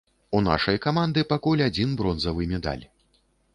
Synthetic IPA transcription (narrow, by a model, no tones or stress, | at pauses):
una̰ʂɐjkamand̪ɨpakulʲad͡zʲinbɾɔnzɐvɨmʲɛd̪a̰lʲ